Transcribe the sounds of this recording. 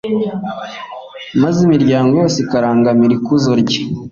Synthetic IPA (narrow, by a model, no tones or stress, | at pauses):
mazimiɾɟaːŋɡojoːsikaɾaːŋɡamiɾikuzoɾɟe̥